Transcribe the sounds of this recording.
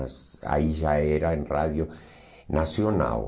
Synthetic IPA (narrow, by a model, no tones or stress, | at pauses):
sa̰iʒaɛɾaẽnraðjo | nasjona̰w